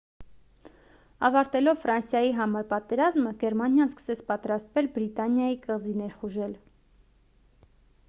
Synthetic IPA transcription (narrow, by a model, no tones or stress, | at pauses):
ɑvɑɾt̪ɛlɔvfɾɑnsjɑjiɦɑmɑɾpɑt̪ɛɾɑzməɡɛɾmɑnjɑnskə̥sɛt͡sʰpɑt̪ɾɑst̪vɛlbɾit̪ɑnjɑjikəʁzinɛɾχuʒɛl